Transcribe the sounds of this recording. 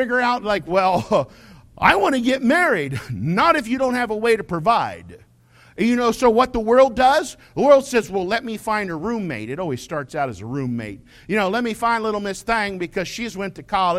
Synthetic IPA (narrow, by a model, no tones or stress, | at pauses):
ɪɡə˞aʊtlaɪkwɛlˠ | ʔa̰ɪwɑñɨɡɛt̚mɛɹidnəɾɨfjɨɾõʊ̃nt̚ɦɨvəweɪɾɨpʰɹ̥ɨvaɪd̥ | jɨnoʊsoʊwʌt̪̚ðəwɜ˞lˠdʌz | ðəwɜ˞lˠd̥sɛzwɛlˠlɛt̚mifãɪ̃ndəɹʉ̃mːeɪɾɨɾɔlˠwiz̥stɑɹtsaʊɾɨzəɹʉ̃mːḛɪt̚ | jɨñoʊlɛt̚mifãɪ̃ndˡəlɪɾl̩ˠmɪsθɪ̃ŋbɨkʰʌz̥ʃizwɛ̃ntʰɨkʰɑlˠɨ